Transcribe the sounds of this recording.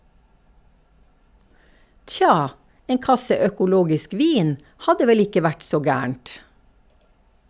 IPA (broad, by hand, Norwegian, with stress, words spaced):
ˈtçɑː ˈeːn ˈkɑsə œkʊˈloːɡɪsk ˈʋiːn ˈhɑdə ˈʋɛl ˈɪkə ˈʋæʈ ˈsoː ˈɡæːəɳt